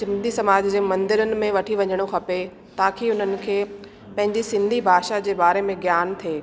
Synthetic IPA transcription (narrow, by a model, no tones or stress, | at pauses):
sɪ̃nd̪ʱisɐmaːd͡ʑd͡ʑeːmɐ̃nd̪ɪɾənɪ̆mẽʋɐʈʰiʋɐɲəɽ̃oxɐpe | t̪ãːkʰiʊn̤ənɪ̆kʰeː | pɐ̃ɦɪ̃ɲd͡ʑisɪ̃nd̪ʱibʱaːʃad͡ʑeːbaːɾemẽɡjaːnt̪ʰeː